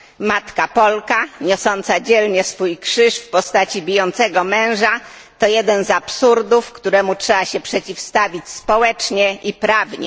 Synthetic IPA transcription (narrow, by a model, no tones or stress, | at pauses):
mat̪kapɔlkaɲɔsɔnt̪sad͡ʑɛlɲɛsfujkʂɘʂfpɔst̪at͡ɕibʲijɔnt̪sɛɡɔmɛ̃w̃ʐa | t̪ɔjɛd̪ɛnzapsuɾd̪ufkt̪uɾɛmutʂɛbaɕɛpʂɛt͡ɕifst̪avʲit͡ɕspɔwɛt͡ʂɲɛʔipɾavɲɛ̰